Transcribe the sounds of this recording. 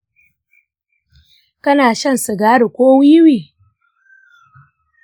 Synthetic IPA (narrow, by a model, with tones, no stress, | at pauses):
kɐ˦naː˨ʃɐ˦˨nsu˨ɡaː˦ɽu˨kʷoː˦wi˦ɪ˦wiː˨